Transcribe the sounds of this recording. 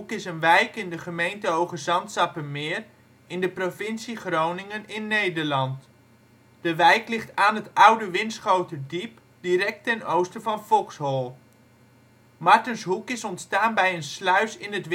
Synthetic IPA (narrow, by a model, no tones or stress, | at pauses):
kɪsənʋɛjkɪndəχəmejntəowχəzɑntsɑpəmɪːr | ɪndəprofɪnsiχrownɪŋənɪnːejdərlɑnt | d̥əʋɛjklɪχtaːnətʌwdəʋɪnsχowtədip | diɾɛk̚tɛnowstəfɑnfɔlˠkshɔlˠ | mɑɹtənsɦukɪsɔntstaːnbɛjənslœɥsɪnətʋ